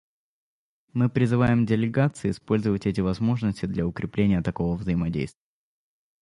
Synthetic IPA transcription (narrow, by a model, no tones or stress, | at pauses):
mɨpɾʲɪzɨvajɪmdʲɪlʲɪɡat̪sɨɪːspo̞lʲzəvətʲɛt̬ʲɪvɐzmo̞ʐnəsʲtʲɪd̪lʲɐʊkɾʲɪplʲenʲɪjət̪ɐko̞vəvzəjɪmɐdʲḛjst̪vʲɪj